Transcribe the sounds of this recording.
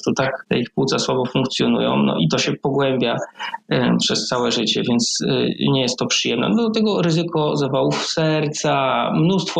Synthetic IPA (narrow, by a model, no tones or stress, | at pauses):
t̪ɔt̪akt̪ɛ̰ixpwut̪saswabɔfuŋkt̪sʲjɔnṵjɔ̰̃w̃nɔ̰ʔit̪ɔɕɛpɔɡwɛmbʲja | pʂɛst̪sawɛʐɘt͡ɕɛ̰vʲjɛnt̪sɲɛjɛst̪ːɔpʂɘjɛmnɛ̰nɔd̪lat̪ɛɡɔɾɘzɘkɔzavawufsɛɾt̪samnust̪fɔ